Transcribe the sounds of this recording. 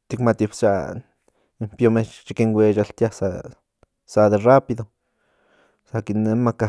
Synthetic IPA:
t̪ikmat̪ipt͡ʃa | impjomet͡ʃt͡ʃikeŋɡwʷet͡ʃalt̪jasa | sad̪erapiðo | sakinemaka

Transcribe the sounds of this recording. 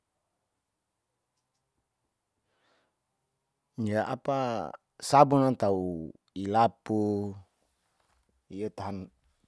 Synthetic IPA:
ɲd͡ʒaʔa̰pa | sabunat̪au | ilapu | ijət̪aɦan

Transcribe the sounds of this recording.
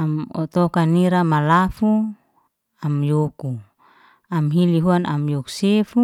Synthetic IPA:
amɔ̰t̪ɔkaniɾamalafu | amjoku | amɦiliɦuana̰mjɔku̥sefu

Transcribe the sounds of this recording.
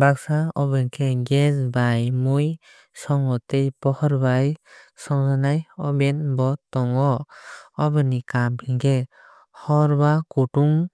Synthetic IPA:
baksaɔbɯnkʰeɡɛzbajmuj | sɔŋɔtejpɔhɔɾbajsɔŋsanajɔbɛnbɔt̪ɔŋɔ | ɔbɯnikamkʰiŋkʰe | hɔɾbakuʈuŋ

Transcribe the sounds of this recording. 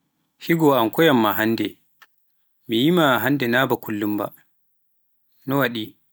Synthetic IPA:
hiɡɔamkɔjamːaɦanːdɛ | mijimaɦandɛnabakʰulːumba̰ | nɔwaɗi

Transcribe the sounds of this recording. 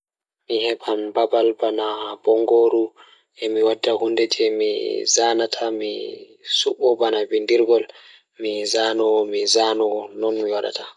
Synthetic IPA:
mihɛbambabalbanabɔŋɡoɾu | ɛmiwadːahundɛtʰɛmḭzaːnatʰami | suɓːɔbanabindiɾɡɔl | mizaːnɔmizanɔnɔnmiwada̰ta

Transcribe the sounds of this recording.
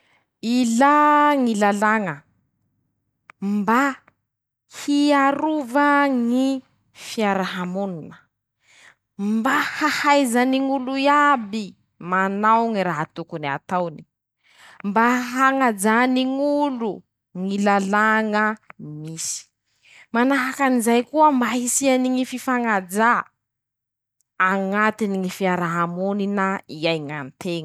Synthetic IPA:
ilaŋilalaŋə | mba | hiaɾuvəŋi | fiaɾaɦamununə | mbahahajzaniŋuluiabi | manawŋiɾaɦat̪ukunia̰t̪awni̥ | mbaɦaŋad͡ʒaniŋulu | ŋilalaŋəmisi̥ | manaɦakanizajkuəmbaɦisianiŋififaŋad͡za | ŋat̪iniŋifiaɾaɦamuninaiajŋant̪eŋ

